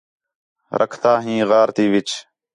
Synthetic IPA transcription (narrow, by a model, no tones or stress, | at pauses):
ɾʔə̰kʰt̪aːɦĩːɣaːɾt̪iːʋɪt͡ʃ